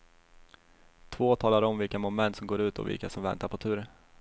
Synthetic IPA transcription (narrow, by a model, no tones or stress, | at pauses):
t̪ʰvoːt̪ʰɑːlaɾɔmvɪlkamʊnmɛnt̪sɔmɡoːɾʉ̟ːt̪ɔ̰vɪ̰lkasɔmvɛ̰nt̪aɾpʰɔt̪ʰʉ̟ːɾ